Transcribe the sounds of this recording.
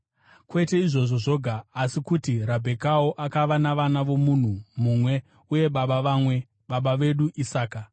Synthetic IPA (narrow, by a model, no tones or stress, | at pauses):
kwe̞te̞iʐo̞ʐo̞ʐo̞ɡʱaːsikutiɾabʱe̞kaoʔakaʋanaʋanaʋo̞mun̤umumwe̞ | uje̞ɓaɓaʋaːmwe̞ | ɓaɓaʋe̞ɗuʔisaːka